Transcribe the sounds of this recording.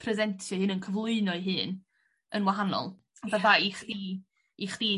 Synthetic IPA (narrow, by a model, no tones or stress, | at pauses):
pʰrɛzɛntʰjɔhɨnənkʰəvlˠʊɨnɔɨɦɨːn | ənwaɦanɔ̰lˠ | vavðaiχdi | iχd̥iː